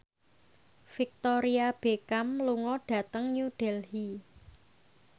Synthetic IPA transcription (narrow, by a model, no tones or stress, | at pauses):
fik̚t̪ɔɾiab̥ekamluŋɔɖ̥ä̤t̪əŋɲuɖ̥ɛlhi